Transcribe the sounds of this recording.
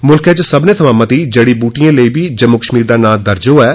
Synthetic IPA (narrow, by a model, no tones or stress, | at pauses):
mʊlkʰet͡ʃsəbneːt̪ʰəmãːmət̪iːd͡ʒəːɽiːbuːʈijãːləiːbiːd͡ʒəmːʊkəʃmiːɾd̪aːnaːld̪əɾd͡ʒoːɛː